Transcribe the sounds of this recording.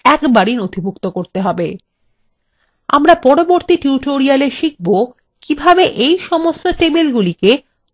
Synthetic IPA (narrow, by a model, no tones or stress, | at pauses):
ɛkbaɾinod̪ʱibʱukt̪okoɾt̪eɦɔbe | a̰mɾapɔɾoboɾt̪iʈuʈoɾialeɾʃik̚bo | kibʱabeʔejʃɔmost̪oʈebelɡulike